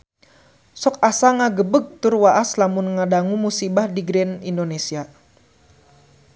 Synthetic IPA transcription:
sɔk̚asaŋaɡəbəɡ̚t̪ʊrwaʔaslamʊnŋadaŋumusibahdiɡɾɛnindonesia

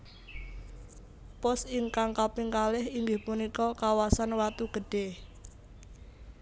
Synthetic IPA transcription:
pɔsɪŋkaŋkapiŋkalɪhiŋɡɪhpunikɔkawasanwat̪uɡ̥əɖ̥e

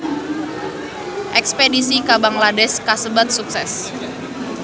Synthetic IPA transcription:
ʔɛkspedisikabaŋladɛskasəbat̪̚suksɛs

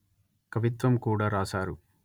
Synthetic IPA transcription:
kɐʋit̪ʋɐmkuːɽaːɾaːsaːɾu

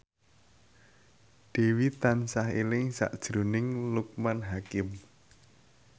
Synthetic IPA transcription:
d̪̥e̤wit̪ansaɦelɪŋsa̰ʔd̥ʒ̥ɾunɪŋluk̚manɦakɪm

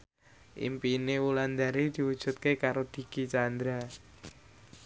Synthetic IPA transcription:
ʔḭmpinewuland̪aɾid̪̥i̤wud̥ʒ̥ṳt̪̚kekaɾod̪̥i̤ɡ̥it͡ʃand̪ɾa

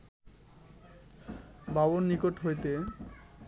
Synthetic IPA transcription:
babonːikoʈɦojt̪e

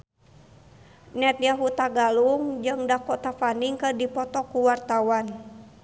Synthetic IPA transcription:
nɛt̪̚jaɦut̪aɡaluŋd͡ʒɨŋdakɔʔt̪afaniŋkərdipɔt̪ɔkuwart̪awan

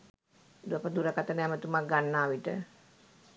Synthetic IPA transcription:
d̪uapəd̪uɾəkat̪ənəɛmət̪umak̚ɡanːaːʋiʈə̰

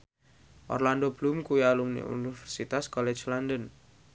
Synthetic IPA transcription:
ʔɔ̰rland̪ob̥lumkuialumnḭṵnifɛrsit̪askɔlɛ̥d͡ʒlandən

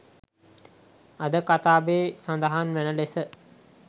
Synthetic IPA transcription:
ad̪əkat̪aːbeːsand̪əɦanʋænəlesə

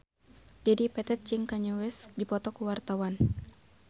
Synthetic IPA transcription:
d͡ʒadipɛt̪ɛt̪̚t͡ʃiŋkaɲuwɛsdipɔt̪ɔkuwart̪awan

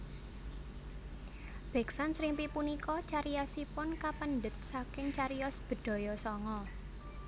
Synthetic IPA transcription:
b̥ɛ̤ksansɾimpipunikɔt͡ʃaɾijɔsipʊnkapəndət̪̚sakɪŋt͡ʃaɾiɔsb̥ə̤d̪̥ɔ̤jɔsɔŋɔ

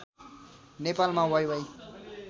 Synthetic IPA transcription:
nepalmãwʌjwʌj

